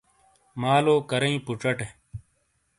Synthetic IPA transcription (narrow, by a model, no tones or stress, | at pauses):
maːloːkəɾɐĩːpuʈ͡ʂəʈe